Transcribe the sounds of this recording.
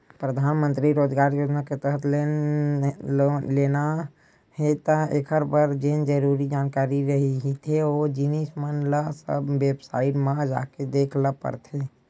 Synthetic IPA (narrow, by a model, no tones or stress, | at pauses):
pɾəd̪ʱanmənt̪ɾiɾod͡ʒɡaɾjod͡ʒnaket̪əɦət̪ʰ | lena | ɦet̪əekʰəɾbəɾd͡ʒend͡ʒəɾuɾid͡ʒankaɾiɾəɦiɦit̪ʰeod͡ʒinismənləsə̰bːebsa̰ɪʈmãd͡ʒa̰ked̪ekʰləpə̰ɾt̪ʰe